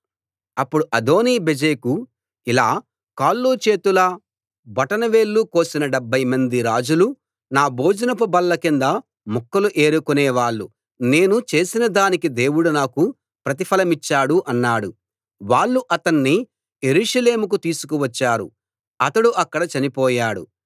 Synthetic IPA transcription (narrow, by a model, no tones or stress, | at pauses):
ɐpːuɽuʔɐd̪o̞ːniːbed͡ʒeːku | ilaː | kaːlːuːt͡ʃe̞ːt̪ulɐ | bɐʈɐnɐʋe̞ːɭːuko̞ːsinɐɖɐbʱːɐjmɐnd̪iɾaːd͡ʒulu | naːboːd͡ʒɐnɐp̬ubɐlːɐkind̪ɐ | mukːɐluʔe̞ːɾukuneːʋaːɭːu | ne̞ːnut͡ʃe̞ːsinɐd̪aːnikid̪eːwuɽunaːku | pɾɐt̪̬ipʰɐlɐmit͡ʃːaːɽuʔɐnːaːɽu | ʋaːɭːuʔɐt̪ɐnːi | je̞ɾuːʂɐle̞ːmuk̬ut̪iːsu̥kuʋɐt͡ʃːaːɾṵ | ɐt̪ɐɽuʔɐkːɐɽɐt͡ʃɐnipɔːjaːɽṵ